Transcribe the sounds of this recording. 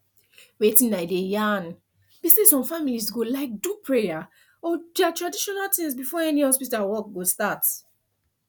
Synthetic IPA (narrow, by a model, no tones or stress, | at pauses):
wetĩnnaɪdejan | b̥isdesɔ̃mfamilisɡolaɪk̚dupʰɹeja | ɔdatɹadiʃɔnaltĩŋsbifɔɛniɔspitawɔk̚ɡostat